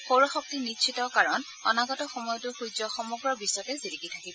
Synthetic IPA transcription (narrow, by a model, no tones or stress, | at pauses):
xowɹɔxɔk̚tiniʃʰitɔkaɹɔn | ɔnaɡɔtɔxɔmɔjɔtʊxujzɔxɔmuɡɹɔɹbisɔtɛzidiɡitʰakibɔ